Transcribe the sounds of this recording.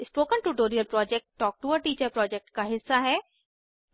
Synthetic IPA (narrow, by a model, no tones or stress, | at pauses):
ɪsʈoːkə̃nʈuʈoːɾiəlpɾɔːd͡ʒɛk̚ʈːɔːk̚ʈuʋəɾʈiːt͡ʃəɾpɾɔːd͡ʒɛk̚ʈkaɦɪsːaɦɛ